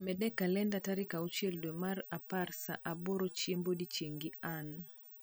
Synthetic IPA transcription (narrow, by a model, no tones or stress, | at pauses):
mɛdɛkalɛndataɾikaut͡ʃjeldwemaɾaparsa̰ʔaboɾot͡ʃembodit͡ʃeŋɡian